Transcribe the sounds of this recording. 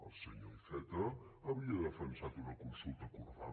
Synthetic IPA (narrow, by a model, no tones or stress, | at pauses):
ə̰lˠsəɲoisɛt̪əː | βɾiəðəfənsat̪unəkunsulˠt̪əkuɾða̰